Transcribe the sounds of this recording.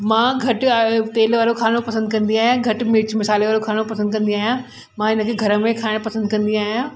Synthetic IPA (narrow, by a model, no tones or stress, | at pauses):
mãːɡʱɐʈt̪eːlʋaːɾokʰaːnopɐsə̃nd̪kɐ̃nd̪iaːɦjãɡʱɐʈmɪt͡ɕmɪsaːliʋaːɾokʰaːnopɐsə̃nd̪̚kɐ̃nd̪ĩaːɦijã | mãːɪnə̆kʰeːɡʱɐɾə̆mẽkʰaːɪɽ̃pɐsə̃nd̪̚kɐ̃nd̪ĩaːɦijãː